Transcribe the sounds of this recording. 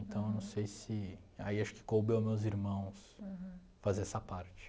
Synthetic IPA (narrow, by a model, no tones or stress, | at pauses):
nt̪ɐ̃w̃ewnɐ̃w̃sejsɪ | aiaʃʊ̥kɪ̥kowbewmewziɾmɐ̃w̃s | fazeɾɛsɐpaɾt͡ʃɪ̥